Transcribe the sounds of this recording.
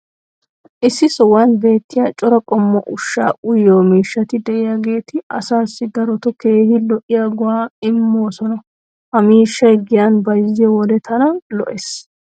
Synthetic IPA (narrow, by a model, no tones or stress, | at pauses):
ʔɪsːɪsɔwɐnbe̞ːt̪ːɪjaːt͡ʃʼɔɾɔkʼɔmːɔʔʊʃːa̰ːʔʊjoːmiːʃːɐt̪ɪd̪ɛʔɪjaɡe̞ːt̪ɪɐ̰saːsːɪɡɐɾɔt̪ɔke̞ːhɪlɔʔɪjaɡʊwaːɪmːoːsɔnɐ | hɐmiːʃːɐjɡɪjanbɐjzɪjɔwɔd̪ɛt̪ʰɐnɐlɔ̰ʔes